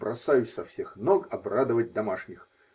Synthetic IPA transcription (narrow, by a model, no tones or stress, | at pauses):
bɾʔɐsajʉsʲsɐfsʲexnokɐbrad̪əvət̚ʲd̪ɐmaʂnʲɪx